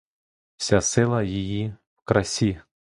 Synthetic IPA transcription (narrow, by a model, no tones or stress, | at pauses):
w̥sʲasɪlˠɐjiji | wkɾɐsʲi